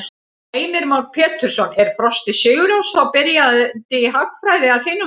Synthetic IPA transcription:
eːjmɪɾmawnpʰɛːt̪ʏɾ̥sɔnɛɾ̥fɾɔst̪ɪsʏːɣʏɾawst̪awpɪɾjat̪ɪɦakfɾaːjðɪaðθɪnːʏ

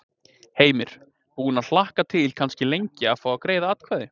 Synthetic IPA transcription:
heːjmɪɾ̥ | hunaðl̥ahkat̪ʰɪlkʰanscɪlejɲcɪaðfawakɾeːjðaat̪kʰvɛːðɪ

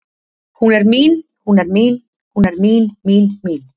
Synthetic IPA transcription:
huneɾmiːnhunɛɾmil | hunɛɾmiːlmiːlmiːl

